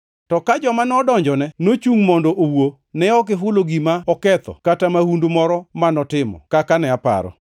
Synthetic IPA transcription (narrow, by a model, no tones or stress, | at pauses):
tɔkad͡ʒɔmanɔdɔɲd͡ʒɔnɛnot͡ʃuŋmɔndɔʔowo | nɛɔk̬ɪɦʊloɡimaɔkɛt̪ɔ̰katamahundomɔɾɔmanɔtɪmɔ̰kakanɛapa̰ɾɔ̰